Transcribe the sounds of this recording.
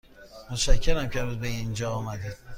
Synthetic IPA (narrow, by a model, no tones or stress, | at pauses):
mot̪ʃæcʰːeɾæmcʰeɾud̪̚beind͡ʒɒːmæd̪ed̪̥